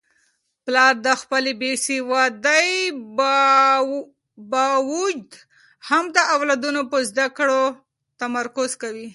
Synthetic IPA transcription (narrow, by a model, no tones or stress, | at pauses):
plɑɾd̪əxpəlebesewɑd̪əj | bɑwud͡ʒd̪ | hamd̪əawlɑd̪unopəzd̪akɽo | t̪amaɾkʊzkawi